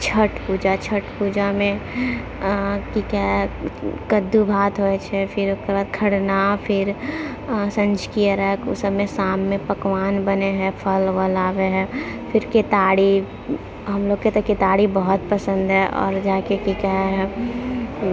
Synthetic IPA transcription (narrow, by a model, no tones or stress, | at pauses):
t͡ʃʰəʈpuːd͡ʒat͡ʃʰəʈpuːd͡ʒamẽ | kikɛ | kəd̪ːubʱaːt̪ɦoet͡ʃʰɛfʰɪɾʊskebaːd̪̚kʰəɽnapʰɪɾ | sə̃nd͡ʒkiəɾəkʊ̰səbmesaːmːẽpəkʋaːnbəneɦɛ̃pʰəlʋəlaːʋeɦɛ̃fʰɪɾkeːt̪aːɽi | ɦɐmloːɡket̪eket̪aːɽibəɦɔt̪pəsə̃nd̪ʱɦɛʔɔ̰ːɾd͡ʒaːkekikɛɦ